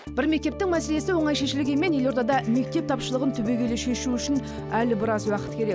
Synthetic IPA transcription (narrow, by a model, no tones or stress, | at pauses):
b̥ɪɾme̞k̚t̪e̞p̚t̪ɪŋmæse̞le̞sɪwo̞ɴɑjʃe̞ʃɪlɪɡʲeme̞nje̞lo̞ɾt̪ɑd̪ɑme̞k̚t̪e̞p̚t̪ʰɑpʃəlˠəʁənt̪ʰʏbe̞ɡʲe̞leʃe̞ʃuʏʃɪn | ælɪbɪɾɑzwɑqə̥t̪kʲʰeɾek